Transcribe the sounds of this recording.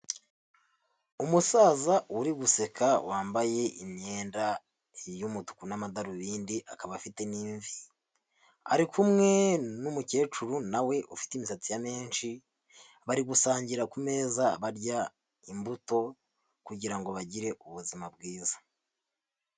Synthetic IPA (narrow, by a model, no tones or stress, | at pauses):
umusaːzawuɾiɡuse̞kawʔaːmbaje̞ʔimɲe̞ːnda | jumutu̥kunamadaɾuβiːndiʔakaβafite̞niːɱvi | a̰ɾikʰumŋe̞numuce̞ːt͡ʃuɾunawe̞ʔufi̥timisat͡sijame̞ːnʃi | βaɾiɡusaːɲɟiɾakume̞ːzaβaɾɟa | imbuto̞ | kuɟiɾaŋɡo̞βaɟiɾe̞ʔuβuzimab̚ɡiːzḁ